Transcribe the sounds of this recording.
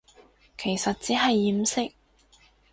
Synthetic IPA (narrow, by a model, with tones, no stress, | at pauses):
kʰe˨˩jsɐ˨t̚t͡siː˨˥ɦɐ˨jːiː˨˩˥msɪ˥k̚